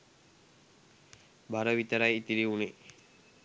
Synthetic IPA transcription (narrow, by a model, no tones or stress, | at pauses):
baɾəʋit̪əɾajit̪iɾiune